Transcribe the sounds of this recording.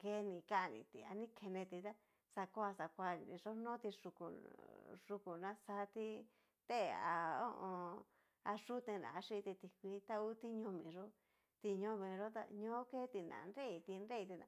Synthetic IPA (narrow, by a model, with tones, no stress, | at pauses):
ke˧˦nĩ˧˨ka˦˧nḭ̃˧˨t̪i˧a˧nĩ˦kʰe˧nẽ˧t̪i˧t̪a˦ | sa˧kʷa˧sa˧kʷa˧˨˧ĩ˧ʐo˦nõ˦t̪i˧ʂu˧kṵ˨ | ʐ̥u˧ku˨nã˦sa˧˦t̪i˧ | t̪e˦˨˧a̰˧o˦˧ʔõ˧ | a˧ʂu˦t̪ẽ˧nã̰˨˧a˧ʂi˦˧t̪i˧t̪i˧kʷi˧˦t̪a˦u˦t̪i˦ɲõ˧mĩ˨ʐo˦ | t̪i˧ɲõ˧mĩ˨ʐo˦t̪a̰˧ɲõ˦ke˦t̪i˧nã̰˨˧nɾe˦i˧t̪i˧nɾe˦i˧t̪i˧nã̰˧